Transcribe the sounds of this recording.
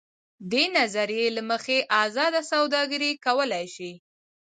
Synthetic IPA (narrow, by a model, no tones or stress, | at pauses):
d̪enazaɾijelaməxeʔazɑd̪asawd̪ɑɡəɾikawəlajʃi